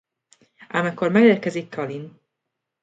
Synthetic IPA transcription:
ʔamɛkormɛɡeːrkɛzikːɒlin

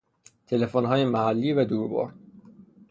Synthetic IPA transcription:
t̪ʰe̞le̞fonɦɒːjemæhælːiːvæd̪uːɾbɒ̰ːɾ

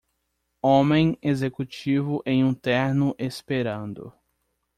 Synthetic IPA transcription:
õmẽj̃ezekut͡ʃivʊʔẽj̃ũt̪ɛɾnʊʔespeɾɐ̃nd̪ʊ̰

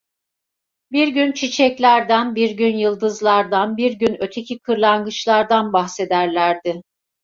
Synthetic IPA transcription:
biɾɟynt͡ʃʰit͡ʃʰɛclʲæɾd̪ænbiɾɟynjɯlˠd̪ɯzlˠaɾd̪anbiɾɟynø̞t̪ʰe̞cʰikʰɯɾlˠaŋɡɯt͡ʃlˠaɾd̪anbaxse̞d̪æɾlʲæɾd̪ɪ

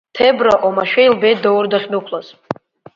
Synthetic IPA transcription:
tʰebraʔomaʃᶣejlbejt̚dawrdaχʲnukʷʰlaz

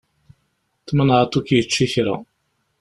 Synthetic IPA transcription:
θmənʁat̪ˤːukjət͡ʃːiçɾæ̰

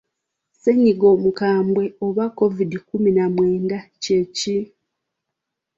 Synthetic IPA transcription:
seɲːiɡo̞ːmukaːmbwe̞oβakːo̞vidikuminamwe̞ːndaceci

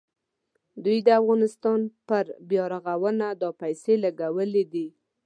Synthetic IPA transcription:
d̪ujd̪əafɣɑnɪst̪ɑnpəɾbjɑɾaɣawənad̪ɑpajselaɡawəled̪i

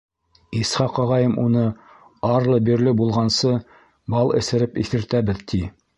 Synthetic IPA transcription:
isχɑqɑʁɑjɤmʔunɤ | ɑɾlˠɤbiɾlɘbulˠʁɑnsɤ | bɑlˠɘ̰̆sɘ̆ɾɘpḭθɘ̆ɾt̪æbɘðt̪ʰi

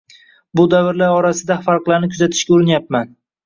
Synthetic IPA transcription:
bʊd̪avɪɾlaɾɒɾasɪd̪afaɾqlˠaɾnɪkʰʊzat̪ʰɪ̥ʃkʲaʊɾɪnjap̚man

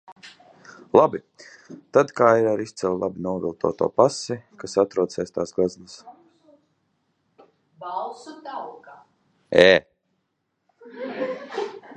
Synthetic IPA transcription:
lˠabi | t̪ad̪kaːiɾaɾist̪sɛlˠlˠabinuɔvilˠt̪ʰṵːt̪ṵːpasɛkasat̪ɾuɔt̪sɛːst̪aːsɡaznas | balˠsud̪awɡa | ɛː

